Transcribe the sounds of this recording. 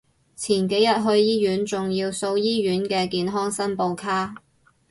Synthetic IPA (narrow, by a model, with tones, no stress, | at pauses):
t͡sʰiː˨˩nke˨˥jɐ˥t̚ɦɵ˧ɥjiː˥jyː˨˥nt͡sʊ˨ŋjiː˧wso˧wjiː˥ɥyː˨˥nkɛː˧kiː˧nɦɔː˥ŋsɐ˥npo˧wkʰaː˥